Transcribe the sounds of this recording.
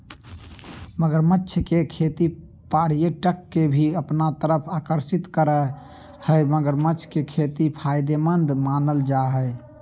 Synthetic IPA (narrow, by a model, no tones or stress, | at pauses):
məɡəɾmətːʃʰkekʰet̪i | paɽ̤ijeʈəkːebʱiəpnat̪əɾəpʰakəɾsit̪kəɾɛ | həməɡəɾmətːt͡ʃʰkekʰet̪ipʰajd̪emənd̪manəld͡ʒaɦəj